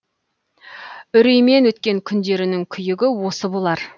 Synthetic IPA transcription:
ʏɾijme̞nwɵt̪kʲe̞ŋkʲʰʏnd̪e̞ɾɪnɪŋkʲʰʏjɪɡʲɪwo̞səbo̞lˠɑɾ

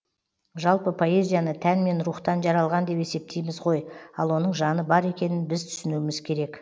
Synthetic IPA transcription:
ʒɑlˠpəpʰo̞e̞zʲijanət̪ʰænme̞nɾuχt̪ɑnʒɑɾɑlˠʁɑnd̪e̞pe̞se̞p̚t̪ʰejmɪzʁo̞jɑlˠwo̞nəɴʒɑnəbɑɾe̞kʲe̞nɪnbɪzt̪ʰʏ̥sɪnuɪmɪz̥kʲʰe̞ɾe̞k

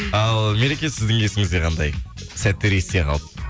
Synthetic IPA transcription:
ɑlˠmeɾekʲesɪzd̪ɪŋesɪŋɪzd̪eqɑnd̪ɑj | sæt̪ːeɾest̪eqʰɑ̰lˠəp

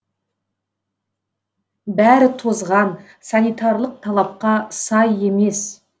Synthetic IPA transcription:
bæɾɪt̪ʰozʁɑn | sɑnijt̪ɑɾlˠəq̚t̪ʰɑlˠɑp̚qɑsɑje̞me̞s

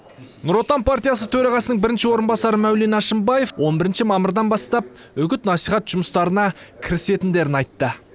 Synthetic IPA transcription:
nʊɾo̞t̪anpʰart̪ijas̬ət̪ʰɵɾɑʁɑsənəɴbɪɾɪnʃɪwo̞ɾənbɑsɑɾəmæwlenɑʃəmbɑje̞fwʔo̞nbɪɾɪnʃɪmɑməɾd̪ɑnbɑst̪ɑp̚ | ʏɡʲɪt̪nɑsijχɑt̪ʒ̥ʊməst̪ɑɾənɑkʲʰɪɾɪse̞t̪ɪnd̪e̞ɾɪnɑjt̪ːə

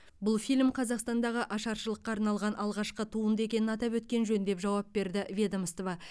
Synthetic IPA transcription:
bʊlˠfijlʲmqʰɑzɑqst̪ɑnd̪ɑʁəʔɑʃɑɾʃəlˠəqːɑːɾnɑlˠʁɑnʔɑlˠʁɑʃqət̪ʰuənd̪əe̞kʲe̞nɪnɑt̪ɑpwɵt̪̚kʲe̞nʒɵnd̪e̞pʒɑwɑp̚be̞ɾd̪ɪvʲed̪aməst̪ovɑ

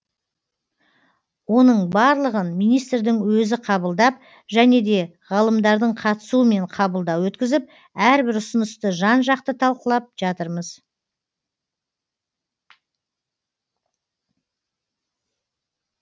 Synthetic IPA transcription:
wo̞nəɴbɑɾlˠəʁənmijnijst̪ɾd̪ɪŋwɵzɪqʰɑbəlˠd̪ɑp̚ | ʒæne̞d̪e̞ | ʁɑlˠəmd̪ɑɾd̪əɴqʰɑt̪ə̥suəme̞ɴqʰɑbəlˠd̪ɑwwɵt̪kʲɪzɪp̚ | æɾbɪɾʊsənəst̪əʒɑnʒɑqt̪ət̪ʰɑlˠqəlˠɑp̚ʒ̥ɑt̪əɾməz

